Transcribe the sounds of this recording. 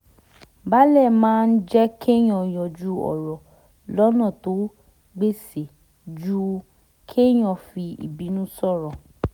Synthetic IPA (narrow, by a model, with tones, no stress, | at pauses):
ba˦lɛ˦˨mãː˦n̩˦d͡ʒɛ˦kʰe˦j̃ɔ̃˧˨j̃ɔ̃˨d͡ʒu˧˦ɔ̰˨ɾɔ˨ | lɔ˦nã˦˨to˨˦ | ɡ͡be˦˨se˨ | d͡ʒu˦ | kʰe˦j̃ɔ̃˧˨fi˧ḭ˨bi˨˦nũ˦sɔ˦˨ɾɔ˨